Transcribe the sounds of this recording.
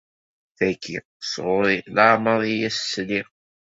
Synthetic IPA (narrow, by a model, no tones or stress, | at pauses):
θækːi | sʁʊɾilaʕməðˤijæssliʁ